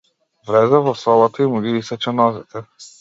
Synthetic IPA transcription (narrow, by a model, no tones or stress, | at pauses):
vlɛzɛvɔsɔlˠat̪aimuɡiisɛt͡ʃɛnɔzit̪ɛ